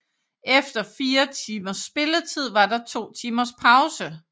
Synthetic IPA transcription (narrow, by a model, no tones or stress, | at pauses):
ʔefd̥ɐfiːɐt͡sʰiːmɐsb̥e̝lət͡sʰið̞̰ˠʋɑ̈d̥ɑ̈t͡sʰo̝̰ːt͡sʰiːmɐspʰɑ̈ʊsə